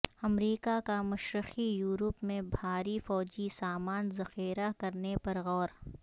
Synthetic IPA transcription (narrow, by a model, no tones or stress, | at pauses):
ɐmɾiːkakamɐʃɾɪxijuːɾəpmẽbʱaːɾifɔːd͡ʒisaːmaːnzɐxiːɾakɐɾnepɐɾɣɔːɾ